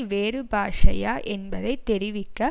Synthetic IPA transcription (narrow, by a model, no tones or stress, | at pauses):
ʋeːɾɯbaːʂɐ̰jaːʔɛnbɐðɐɪt̪ːɛɾɪʋɪkːɐ